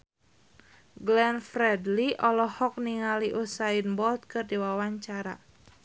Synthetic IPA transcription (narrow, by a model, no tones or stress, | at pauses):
ɡlɛnfɾɛdliʔɔlɔhɔk̚niŋaliʔusainbɔlt̪̚kɨrdiwawaɲt͡ʃaɾa̰